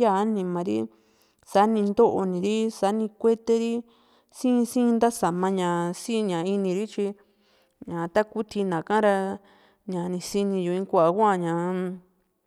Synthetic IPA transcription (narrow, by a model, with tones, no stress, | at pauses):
ja˦˨˦nĩ˧mã˧ɾḭ˦ | sa˨˦nĩ˧nd̪o˦ʔo˧nĩ˨ɾi˦sa˨˦nĩ˧kʷe˦t̪e˧ɾi˦ | sĩ˦˧sĩ˦˧nd̪a˦sa˨mã˧ɲã˨sĩ˦˧ɲã˨i˧nĩ˧ɾi˦t͡ʃi˧ | ɲã˨t̪a˦ku˦t̪ʰi˧nã˨kã˦ɾa˧ | ɲã˨nĩ˧si˧nĩ˧ju˨˧ĩ˧kʷa˧˨a˧kʷa˦˨ɲã˨